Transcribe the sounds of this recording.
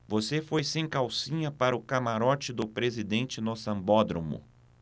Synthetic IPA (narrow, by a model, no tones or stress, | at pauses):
vosefojsẽj̃kawsĩɲɐpaɾɐʊkamaɾɔt͡ʃɪd̪ʊpɾezid̪ẽnt͡ʃɪnosɐ̃mbɔd̪ɾo̰mʊ̰